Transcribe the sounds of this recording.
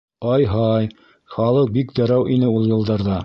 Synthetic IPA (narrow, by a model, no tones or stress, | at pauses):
ɑjɦɑj | χɑlˠɤq̚bikd̪ɒɾæwʔinɘulˠjɤ̆lˠd̪ɑɾðɑ